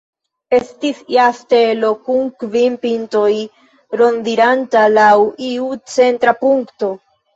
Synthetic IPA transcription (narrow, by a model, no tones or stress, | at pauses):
e̞stisjaste̞lo̞kuŋkvinpinto̞j | ɾo̞ndiɾantalawiut͡se̞ntɾapuŋkto̞